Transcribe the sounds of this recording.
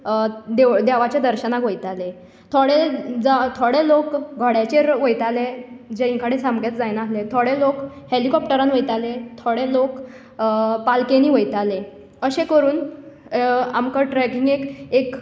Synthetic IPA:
d̪ed̪aʋat͡ɕjad̪əɾɕənakʋəjt̪ale | t̪ʰoɽed͡zat̪ʰoɽelokɡʱɔɽjat͡ɕeɾʋəjt̪aled͡ʑeĩŋkʰaɽesamɡet̪d͡zajnaaɦlet̪ʰoɽelok | helikɔp̚ʈəɾanʋəjt̪alet̪ʰoɽelok | palkeniːʋəjt̪ale | əɕekəɾuːn | a̰mkəʈɾɛkiŋɡekek

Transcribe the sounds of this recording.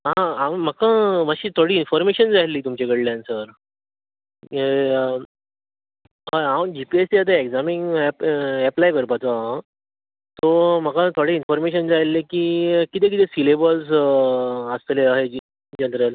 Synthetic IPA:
ɦãawm̤əkãmaɕiːt̪ʰoɽiːnfɔɾmeɕənd͡zaɦilːiːt̪umt͡ɕekəɽljãnsəɾ | ɦaɦawd͡ʑipiestiat̪̬ãeɡd͡zamiŋpɛplajkəɾpat͡soɦaã | t̪ɔm̤əkãt̪ʰoɽeinfɔɾmeɕənd͡zaɦelːekiːkit̪̬ẽkit̪esilebəls | əsleaɦe | d͡ʑənɾəl

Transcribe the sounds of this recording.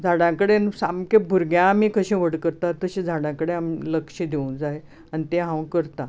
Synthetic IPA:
d͡zʱaɽãkəɽensamkẽbʱuɾɡjãːmiːkəɕẽʋəɽkəɾt̪at̪əɕẽd͡zʱaɽãkəɽeamiləkʂəd̪eũd͡zae | anit̪ẽɦãwkəɾt̪ã

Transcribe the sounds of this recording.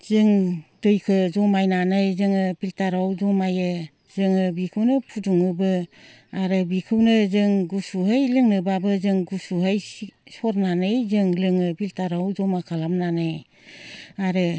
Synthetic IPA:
zɯŋdɯjkʰɯzɔmajnanɯjzɯŋɯbiltaɾawzɔmajɯ | zɯŋɯbikʰɯwnɯpʰuduŋɯbɯ | aɾɯbikʰɯwnɯzɯŋɡusuɦajlɯŋnɯbabɯzɯŋɡusuɦajssɔɾnanɯjzɯŋlɯŋɯbiltaɾawzɔmakʰalamnanɯj | aɾɯ

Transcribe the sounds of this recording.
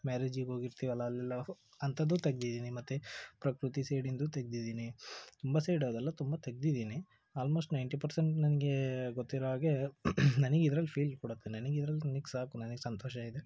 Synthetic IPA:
maːɾed͡ʒiɡo̞ːɡiɾt̪iʋɐlːɐːlːilːɐ | ɐnt̪ʰɐd̪ːut̪ɐɡd̪id̪iːnimɐt̪ːupɾɐkɾut̪iseːɽind̪uːt̪ɐɡ̚d̪id̪iːnit̪umbɐseːɖɐːd̪ɛlːɐt̪umbɐt̪ɐɡ̚d̪id̪iːni | aːlmoːsʈnɐjɳʈipɐɾseɳʈnɐniɡe̞ɡot̪ːiɾɔɦaːɡenɐniɡid̪ɾɐlːipʰiːlɖkuɽɐt̪ːenɐniɡeid̪ɐɾɐlːinɐniɡsaːkunɐnɐɡesɐnt̪ɔːʃɐid̪e

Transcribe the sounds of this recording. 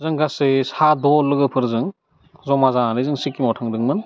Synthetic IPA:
zɯŋɡasesadɔlːɯɡɯpʰɯɾzɯŋ | zɔmazalɯjzɯŋsikːimawtʰaŋdɯŋmɯn

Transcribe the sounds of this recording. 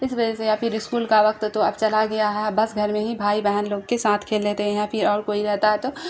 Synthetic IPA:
ɪsʋɐd͡ʒɛsejapʰɪɾɪskuːlkaʋɐk̚t̪t̪oɐb̚t͡ʃɐlaɡɐjaɦɛbɐsɡʱɐɾmẽɦibʱaːibɛɦənloːɡkesaːt̪ʰkʰeːlːeːt̪eɦɛ̃ãpʰɪɾɔːɾkoːiɾɛɦt̪aɦɛt̪oː

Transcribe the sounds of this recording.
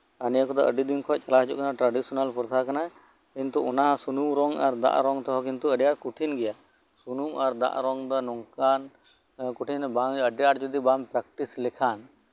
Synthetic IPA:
anjakɔd̪ɔʔəɖid̪inkʰɔʔt͡ʃalaɦd͡ʒɔ̰ʔkanaʈɾaɖisɔnalpʰɔɾt̪ʰakana | kint̪uɔnasunumɾɔŋaɾd̪a̰ʔɾɔŋt̪ɔɦɔkint̪uəɖjaɾkuʈʰinɡɛja | sunumaɾd̪a̰ʔɾɔŋd̪ɔnɔŋkan | kuʈʰinbaŋəɖjaɾd͡ʒɔd̪ibampɾak̚ʈislɛkʰan

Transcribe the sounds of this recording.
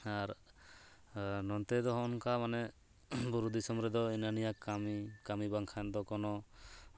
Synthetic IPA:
aɾ | nɔnt̪ɛd̪ɔɦɔɔnkamanɛ | buɾud̪isɔmɔɾɛd̪ɔinanijakamikamibaŋkʰand̪ɔkɔnɔ

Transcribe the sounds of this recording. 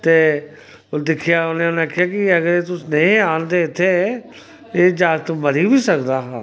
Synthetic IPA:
t̪eː | d̪ɪkʰɪjaːonẽːonẽakʰɪjaːkɪəɡəɾeːt̪ʊsnəĩːaːnd̪eːɪt̪ʰːeː | eːd͡ʒaːɾt̪məɾiːbiːsəkd̪aːɦaː

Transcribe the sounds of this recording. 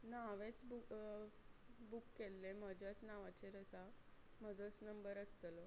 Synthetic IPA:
naʋet͡sbu | bukːelːem̤əd͡ʑʱjat͡snaʋat͡ɕeɾəsa | m̤əd͡zət͡snəmbəɾəst̪əl

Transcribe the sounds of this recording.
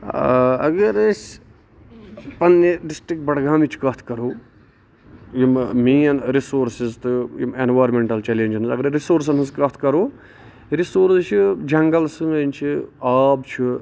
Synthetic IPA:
ɐ̰ɡɐɾɐt͡ʃ | pɐnːiɖisʈɾik̚ʈ̚bɐɽɡaːmit͡ʃʰkɐt̪ʰkɐɾuː | jimmiːɐnɾisoːɾsizt̪ɨḭmenʋaːɾmeɳʈɐlt͡ʃelenʲd͡ʒɐnɨzɐɡɐɾɾisoːɾs̬ɐnɨskɐt̪ʰkɐɾoː | ɾisoːɾst͡ʃʰid͡ʒɐŋɡɐlsɨŋɐnʲt͡ʃʰiaːbt͡ʃʰi

